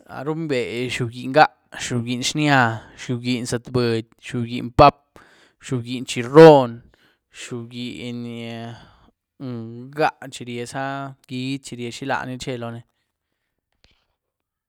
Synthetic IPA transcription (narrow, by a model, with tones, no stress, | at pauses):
a̰˨ɾu˦mbe˨ʃu˧ɡi˧˨ʔŋɡa˦ʔ | ʃu˧ɡi˧nʃnja˧ʃu˧ɡi˧nsa˧t̪bə˨d̪̚ʲʃu˧˨ɡḭ˧ʔnpa˦p̚ | ʃu˧ɡi˧nt͡ʃi˧ɾo˦n | ʃu˧ɡi˧ʔn | ŋɡa˦ʔt͡ʃi˧ɾje˧sa˦ɡi˧˦t͡ʃi˧ɾje˧ʃi˦la̰˧˨ni˧t͡ʃe˦˧lo˧ne˧